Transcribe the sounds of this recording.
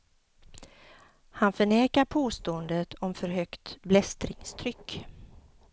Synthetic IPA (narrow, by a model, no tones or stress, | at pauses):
hanfœɳeːkaɾpʰoːst̪oːənd̪ət̪ʰɔmfœɾɦœkt̪blɛst̪ɾɪŋst̪ʰɾʏkː